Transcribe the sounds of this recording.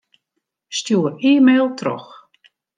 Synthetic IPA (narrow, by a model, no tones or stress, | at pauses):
stjuːəriːmeːlˠtʰrɔ̰x